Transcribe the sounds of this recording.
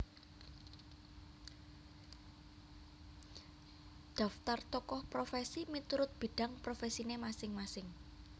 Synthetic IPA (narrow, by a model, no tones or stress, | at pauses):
d̪̥ä̤ft̪art̪ɔkɔhpɾofesimit̪uɾʊt̪̚b̥e̤ɖ̥ä̤ŋpɾofesinemasɪŋmasɪŋ